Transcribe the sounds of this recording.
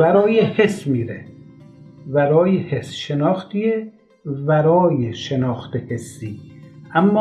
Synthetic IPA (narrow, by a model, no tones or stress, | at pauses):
bæɾɒːjehesmiːɾḛ | bæɾɒːjehesʃenɒːxt̪ie | bæɾɒːjeʃenɒːxt̪ehesːiːʔæmːɒː